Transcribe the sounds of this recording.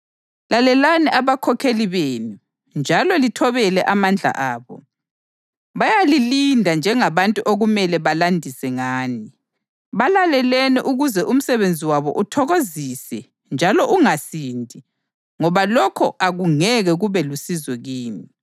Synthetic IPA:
lalɛlanɛʔaβakʰɔkʰeliβeːnu | nd͡ʒʱalɔlitʰɔβɛlɛʔamand͡ɮʱa̰ʔaːβɔ | βajalilindʱand͡ʒʱɛŋaβantʼuʔoɣumɛlɛβalandʱisɛŋaːni | βalalɛlɛnɛʔuɣuzɛʔum̩sɛβend͡zʱiwaβɔ̰ʔutʰɔɣozisɛ | nd͡ʒʱalɔʔuŋasindʱi | ŋɔβalɔkʰɔʔaɣuŋɛɣɛɣuβɛlusizwɛɣiːni

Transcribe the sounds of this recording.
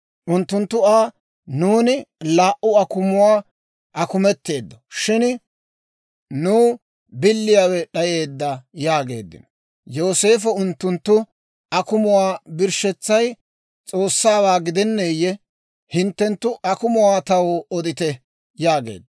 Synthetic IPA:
ʔʊnt̪ːʊnt̪ːʊaː | nuːnɪlaːʔʊɐkʊmʊwaː | ʔɐkʊmɛt̪ːe̞ːd̪ːɔ̥ʃɪn | nuː | bɪlːɪjaːwɛɗɐje̞ːd̪ːɐjaːɡe̞̰ːd̪ːɪ̰nɔ | jo̞ːse̞ːfɔʊnt̪ːʊnt̪ːʊ | ɐkʊmʊwaːbɪɾʃɛt͡sːɐj | t͡sʼo̞ːsːaːbaːɡɪd̪ɛnːejːɛ | hɪnt̪ːɛnt̪ːʊʔɐkʊmʊwaːt̪ɐwɔd̪ɪt̪ɛ | jaːɡe̞̰ːd̪ːɐ

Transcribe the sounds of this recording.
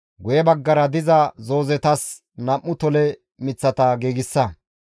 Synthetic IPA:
ɡʊjɛbɐɡːɐɾɐd̪ɪzɐzoːzɛt̪ɐs | nɐʔːʊt̪ɔlɛ | mɪt͡sːɐt̪ɐɡeːɡɪsːɐ

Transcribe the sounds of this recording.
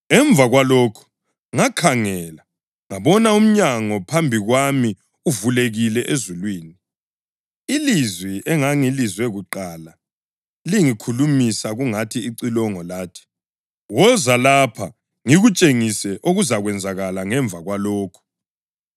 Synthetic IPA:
ɛɱb̪vʱaɣwaloːkʰu̥ | ŋakʰaŋɛla | ŋaβɔnaum̩ɲaŋɔpʰambʱiɣwami | uvuleɣilɛʔezulwiːni | ilizwiʔɛŋaŋilizwɛɣuǃala | liŋikʰulumisaɣuŋatʰiːǀilɔŋɔlaːtʰi̥ | wɔzalapʰa | ŋiɣut͡ʃʼeŋisɛʔoɣuzaɣwɛnd͡zʱaɣalaŋɛɱvʱaɣwaloːkʰu̥

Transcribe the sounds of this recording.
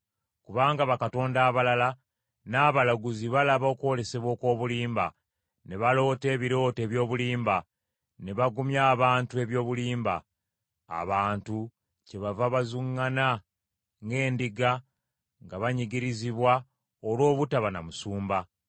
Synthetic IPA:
kuβaːŋɡaβakato̞ːndaːβalala | naːβalaɡuziβalaβo̞kwo̞le̞se̞βwo̞ːko̞ːβuliːmba | ne̞βalo̞ːte̞ːβiɾo̞ːte̞ːβjo̞ːβuliːmba | ne̞βaɡumjaːβaːntue̞βjo̞ːβuliːmba̰ː | βaːntu | ce̞βavaβazuŋːana | ŋɡe̞ːndiɡa | ŋɡaβaɲiɡiɾiziβwa | olwo̞ːβutaβana̰musuːmba

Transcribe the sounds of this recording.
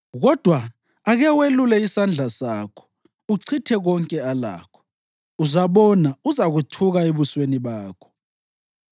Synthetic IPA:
ɣɔd̥ʱwaː | ɣɛwelulɛisand͡ɮʱasaːkʰɔ̥ | uǀʰitʰɛɣɔŋkʼɛala̰ːkʰɔ̥ | uzaβɔnauzaɣutʰuɣaeβusweniβaːkʰɔ̥

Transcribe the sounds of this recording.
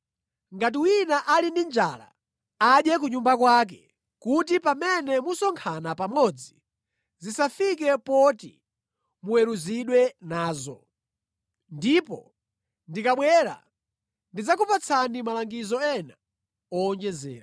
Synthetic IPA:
ŋɡat̬iwinaʔalindind͡ʒa̰ːla̰ | aɗjɛk̬uɲumbakwaːk̬ɛ | kutipamɛnɛmusɔŋkʰanapamɔd͡zi | zisafikɛpɔtḭ | muwɛɾuziɗwɛnaːzɔ̰ | ndipɔ̰ | ndikaɓwɛːɾa̰ | ndid͡zakupat͡sʰanimalaŋɡizɔɛna | ɔːnd͡ʒɛzɛ̰ːɾa

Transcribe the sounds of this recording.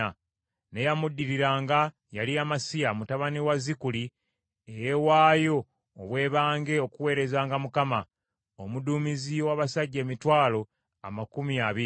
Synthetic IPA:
a | ne̞jamudːiɾiɾaːŋɡa | jaliamasijamutaβaniwazikuli | eje̞waːjo̞ː | βwe̞ːβaːŋɡe̞o̞kuwe̞ːɾe̞zaːŋɡamukama | omuduːmiziwaβasaɟːe̞ːmitwaːlo̞ | a̰makumiaβi

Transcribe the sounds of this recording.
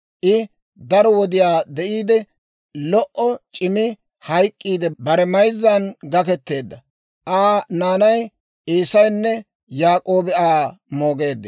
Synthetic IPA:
ʔɪ | d̪ɐɾɔwɔd̪ɪjaːd̪ɛʔiːd̪ɛ | lɔʔɔt͡ʃʼɪmɪ | hɐjkʼːiːd̪ɛbɐɾɛmɐjzːɐnɡɐkɛt̪ːe̞ːd̪ːɐ | ʔaːnaːnɐj | ʔiːsɐjnːɛ | jaːkʼo̞ːbɛaːmo̞ːɡe̞ːd̪ː

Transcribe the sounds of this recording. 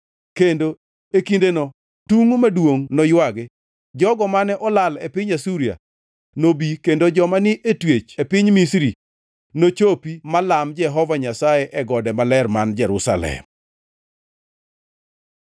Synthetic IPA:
kendo | ekindenɔ | tuŋmadwoŋnɔjwaɡɪ | d͡ʒɔɡɔmanɛʔɔlalɛpɪɲasuɾia̰ | nobikendod͡ʒɔmanɪʔetwet͡ʃepɪɲmisɾi | not͡ʃopimalamd͡ʒɛɦɔvaɲasajɛʔɛɡɔdɛmalɛrmand͡ʒɛɾṵsa̰lɛ̰m

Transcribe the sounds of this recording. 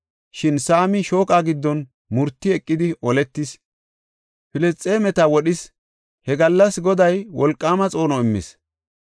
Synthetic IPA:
ʃɪnsaːmɪʃo̞ːkʼaːɡɪd̪ːɔn | mʊɾt̪ːɪɛkʼːɪd̪ɪʔɔlɛt̪ːɪs | fɪlɛst͡sʼːe̞ːmɛt̪ɐwɔɗɪs | hɛɡɐlːɐsɡɔd̪ɐjwɔlkʼːaːmɐt͡sʼo̞ːnɔɪmːɪ̰s

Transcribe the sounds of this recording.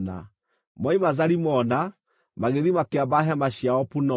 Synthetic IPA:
na̰ | mɔimazaɾimɔna | maɣeðimakeabaɦamaɕiaɔpunɔ

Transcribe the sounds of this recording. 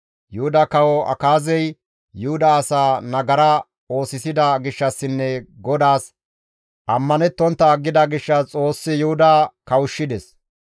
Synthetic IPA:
jʊhʊd̪ɐkɐwɔʔɐ̰kaːzɛj | jʊhʊd̪aːsaːnɐɡɐɾɐ | o̞ːsɪsɪd̪ɐɡɪʃːɐsːɪnːɛɡɔd̪aːs | ʔɐmːɐnɛt̪ːɔnt̪ːɐɡːɪd̪ɐɡɪʃːɐt͡sʼo̞ːsːɪjʊhʊd̪akɐwʊʃːɪd̪ɛs

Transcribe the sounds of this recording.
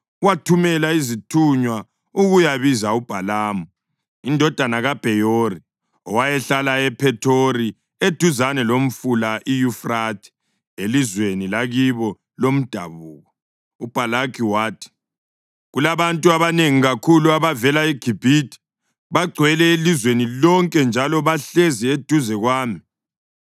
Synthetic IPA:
watʰumɛlaizitʰuɲwa | uɣujaβizaub̥ʱalaːmɔ | indʱɔd̥ʱanaɣab̥ʱɛjori | ɔwajɛɬalaɛpʰɛtʰoɾi | ed̥ʱuzanɛlom̩fulaʔijufratʰi̥ | elizwenilaɣiβɔ | lom̩d̥ʱa̰βuːɣɔ | ub̥ʱalakʰiwaːtʰi̥ | ɣulaβantʼuaβaneŋiɣakʰuluaβavɛlaiɡ̥ʱib̥ʱitʰʼi̥ | βaɡ͡ǀʱwɛlɛelizwenilɔŋkʼɛnd͡ʒʱalɔβaɬezied̥ʱuzɛɣwaːmi

